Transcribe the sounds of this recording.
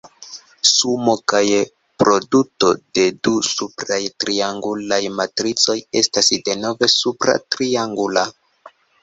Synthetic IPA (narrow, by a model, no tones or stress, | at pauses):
sumo̞kaj | pɾo̞duto̞de̞dusupɾajtɾiaŋɡulajmatɾit͡so̞je̞stasde̞no̞ve̞supɾa̰tɾiaŋɡula